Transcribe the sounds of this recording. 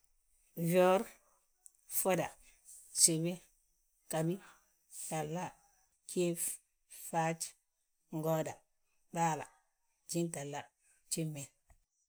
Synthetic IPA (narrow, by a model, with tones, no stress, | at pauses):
vo˦ɾ | fo˦da˨ | t͡ʃe˨be˦ | ka˨bi˦ | ta˨lːa˦ | kʰe˦f | fa˦t͡ʃ | ŋɡo˦da˨ | ɓaː˦la̰˨ | d͡ʒi˦nta˨lːa˦ | t͡ʃi˦mːe˨